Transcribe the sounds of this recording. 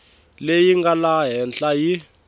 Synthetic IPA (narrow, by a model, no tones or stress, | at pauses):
lejiŋɡalaɦɛnt͡ɬʼaji